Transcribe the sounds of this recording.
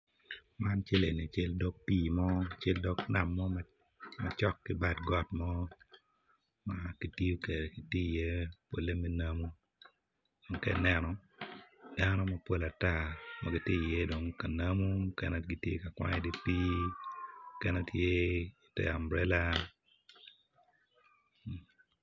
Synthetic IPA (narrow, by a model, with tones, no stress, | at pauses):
ma˦nt͡ʃe˦le˨ni˨t͡ʃe˦ldɔ˦k̚piː˦˨mɔ˦˨t͡ʃe˦ldɔ˦kna˨mːɔ˦ma | ma˨t͡ʃɔ˦kːɪ˦ba˨dɡɔ˦tmɔ˦ | ma˨ki˨ti˦o˦ke˨ɾe˨ki˨ti˦˨je˦po˨le˦mɛ˦na˦mu˦ | do˨ŋkɛ̰˨nɛ˦nɔ˨ | d̥a˦nɔ˦mɐ˦po˦la˨ta˦˨maɡi˦tje˦˨jɛ˦do˨ŋka˨na˦mu˦kɛ̰˦nɛ˦ɡi˦tjḛ˦ka˨kwa̰˦ɲɛ˨di˦pi˦ | kɛ˦ne˦tʰje˦i˨tɛ̰˨a˨mbɾɛ˦la˦˨